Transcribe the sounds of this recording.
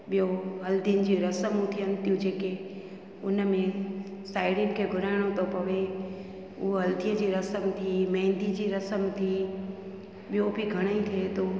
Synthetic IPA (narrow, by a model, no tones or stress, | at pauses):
ɓɪjoɦɐld̪inɪd͡ʑiɾɐsəmũt̪ʰiənt̪ɪjũd͡ʑeːke | ʊnmẽsaːɪɽɪnkʰeɡʱʊɾaːɽ̃õt̪opɐʋe | uɦɦɐld̪ijəd͡ʑiɾɐsəmt̪ʰimẽːnd̪id͡ʑiɾɐsəmt̪ʰi | ɓɪjobʱiɡʱɐɽ̃əĩt̪ʰiet̪o